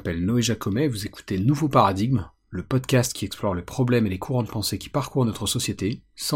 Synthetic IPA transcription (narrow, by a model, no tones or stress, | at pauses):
pɛlnɔeʒakɔmɛvuzeku̥t̪enuvopaʁad̪iɡm | ləpɔd̪kʲast̪kʲʰiɛksplɔʁlepχɔblɛmelekʰuʁɑ̃d̪pɑ̃sekʲi̥paʁkuʁnɔt̪χəsɔsjet̪es